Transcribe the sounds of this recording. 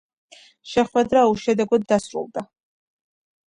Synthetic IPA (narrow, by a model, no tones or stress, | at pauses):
ʃɛχwɛd̪ɾauʃɛd̪ɛɡɔd̪ːasɾṵlˠd̪a